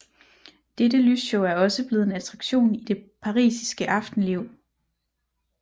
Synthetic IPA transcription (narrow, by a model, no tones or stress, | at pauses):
d̥edəlysɕoʊæɐɒ̽səb̥le̝ːð̩ˠe̝næt͡sʰʁɑ̈ɡ̥ɕo̝̰ːnid̥e̝pʰɑ̈ʁḭːsi̥sɡ̥əʔɑ̈fd̥n̩le̝ʊ̰